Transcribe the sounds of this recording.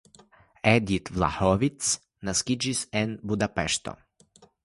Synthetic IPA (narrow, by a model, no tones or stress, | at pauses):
ɛd̪it̪vla̰hɔʋit̪s | naskid͡ʒisɛnbud̪apɛʃt̪ɔ̰